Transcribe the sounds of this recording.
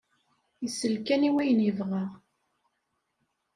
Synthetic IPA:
jəsːəlkæniwæjənəvʁəʁ

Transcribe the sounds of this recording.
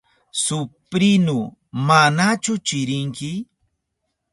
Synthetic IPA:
sʊpɾɪnʊ | manat͡ʃʊt͡ʃɪɾɪŋkɪ

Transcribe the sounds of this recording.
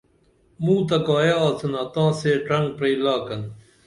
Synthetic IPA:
mũːt̪ɐkaːjaːt͡sʰɐnaːt̪ãːseːʈɐŋɡ̚pɾeːlaːkɐn

